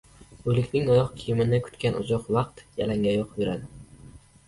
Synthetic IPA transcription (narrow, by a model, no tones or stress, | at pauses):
ɵlɪkʲnɪŋɒjɒqkʲʰijɪmɪnɪkʰʊ̥t̪kʲanʔʊ̰d͡ʒɒqvɑq̚t̪jalaŋɡʲajɒqbeɾad̪ɪ